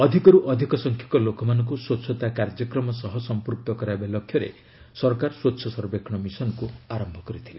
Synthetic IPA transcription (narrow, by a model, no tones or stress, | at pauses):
ɔd̪ʱikɔɾuʔɔd̪ʱikɔsɔŋkʰjɔ̥kɔlokɔmanɔŋkuswotːsʰɔt̪akaɾd͡ʒɔkɾɔmɔsɔɦɔsɔmpuɾk̚t̪ɔkɔɾajbalɔkʰːjɔɾḛ | sɔɾkaɾswot̪ːsʰɔsɔɾbekʰɳ̃ɔmisɔnɔkuaɾɔmbʱɔkɔɾit̪ʰile